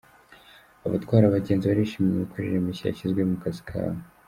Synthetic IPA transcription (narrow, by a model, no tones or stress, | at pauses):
aβatɡwaːɾaβaɟeːnziβaɾiʃimimukʰaʒiɾimiɕija̰ɕizɡwemukaskʰa̰βa